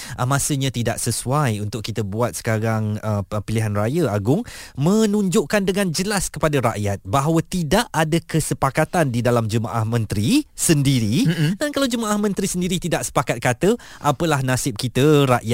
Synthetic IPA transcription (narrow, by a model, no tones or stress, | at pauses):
ʔəmãsəɲãt̪ida̰ʔsəsuajunt̪ʊkːit̪əbuat̪̚sə̥kaɾaŋəpiliɦanrajəaɡʊŋmə̃nũɲd͡ʒʊʔkandəŋãnd͡ʒəlaskəpadaɾa̰ʔjat̪̚baɦwət̪idaʔadakəsəpakat̪andidalamd͡ʒəma̰ʔahmə̃nt̪ɾisəndiɾidankalawd͡ʒəmaʔahmə̃nt̪ɾisəndiɾit̪idaʔsə̥pakat̪̚kat̪ə | ʔapəlahnasɪp̚kit̪əɾaʔja